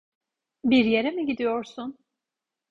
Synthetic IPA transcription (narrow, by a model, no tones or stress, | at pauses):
biɾje̞ɾɛmiɟid̪ijo̞ɾsun